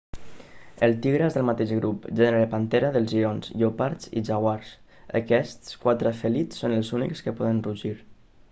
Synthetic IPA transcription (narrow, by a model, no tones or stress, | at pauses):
əlˠt̪iɣɾezðəlmat̪eʒɣɾupʒɛnɾeɾəpant̪eɾəðəlˠzʒionzʎopaɾt͡sḭʒaɣwaɾs | ə̰kɛst̪skwat̪ɾafəlit͡sːonəlˠzunḭkskəpɔðənruʒiɾ